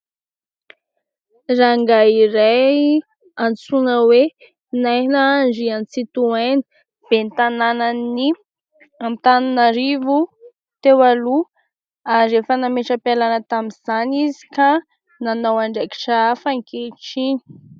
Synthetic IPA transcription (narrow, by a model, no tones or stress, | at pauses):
raŋɡaiɾaj | ant͡sunəwe | najnaand͡ʒiant͡sit̪uajnə̥ | b̥ent̪ananani | amt̪ananaɾivu | t̪ewalu | aɾefənameʈ͡ʂəpialanət̪amiz̥anizi̥ka | nanawaɳɖ͡ʐeki̥ʈ͡ʂafaŋkeʈ͡ʂini̥